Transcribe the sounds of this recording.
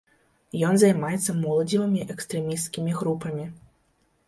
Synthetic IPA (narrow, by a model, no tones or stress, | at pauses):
jɔnzajmajɛt̪sːɐmɔlˠɐd͡zʲivɨmʲiʔɛkst̪ɾɛmʲist̪kʲimʲiɣɾupɐmʲi